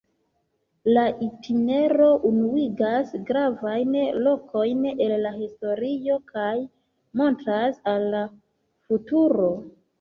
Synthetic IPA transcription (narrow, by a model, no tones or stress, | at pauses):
laʔitʰine̞ɾo̞ʔunuiɡasɡɾavajnlo̞ko̞jne̞lːahisto̞ɾio̞kʰaj | mo̞ntɾasalːa | futuɾo̞